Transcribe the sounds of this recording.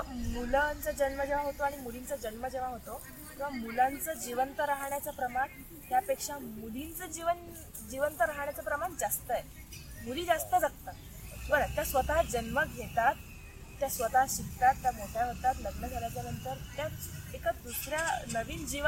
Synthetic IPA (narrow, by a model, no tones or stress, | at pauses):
əmulənt͡səd͡ʑənməd͡ʑeʋãɦot̪oaɽ̃imulint͡səd͡ʑənməd͡ʑeʋaɦot̪o | kĩw̃ʋamulãnt͡səd͡ʑiʋənt̪əɾaɦɳjat͡sapɾəmaɳ | ɦ̪japekʂamulint͡səd͡ʑiʋən | d͡ʑiʋənt̪əɾaɦɳ̃jat͡sapɾəmaɳd͡zast̪əje | muliːd͡zast̪əd͡zakt̪ə | bəɾət̪jasʋət̪aɦd͡ʑənməɡʱet̪at̪ː | jasʋət̪aɦɕikt̪at̪ːjamoʈʰjaɦot̪at̪ləɡnəd͡zʱaljat͡ɕjanənt̪əɾt̪jaekad̪usɾjanəʋiːnd͡ʑiʋ